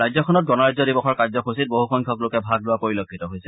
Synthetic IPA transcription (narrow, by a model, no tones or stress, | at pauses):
ɹajzɔkʰɔnɔt̚ɡɔnɔɹajzɔdibɔxɔɹkazɔkʰusit̚boɦuxʰɔŋkʰɔklokɛbʱaɡ̚lʊakoɹilokʰːitɔɦojsɛ